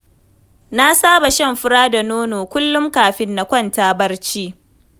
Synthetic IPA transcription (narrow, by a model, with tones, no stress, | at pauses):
na˦saː˦ba˨ʃɐ˦˨mɸʊ˦ɽaː˦da˨noː˦noː˨kʷʊ˦lːʊ˦mkaː˨ɸɪ˦nːa˨kʷɐ˦ntaː˦bɐ˦rt͡ʃiː˦